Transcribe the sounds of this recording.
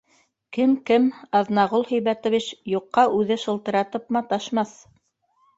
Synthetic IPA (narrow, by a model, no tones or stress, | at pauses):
kɘmkɘmɑðnɑʁolˠhɵ̆jβæt̪ŏβit͡ɕjuqːɑʔʉðɘʃɤ̆lˠt̪ɤ̆ɾɑt̪ɤpmɑt̪ɑʃmɑθ